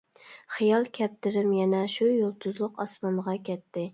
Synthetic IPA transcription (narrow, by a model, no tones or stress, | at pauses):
χijɑlˠkʲʰɛp̚t̪ɪɾɪmjɛnɛʃujolˠt̪ʰʊzlˠʊqɑsmɑnʁɑkʲʰɛt̪ːɪ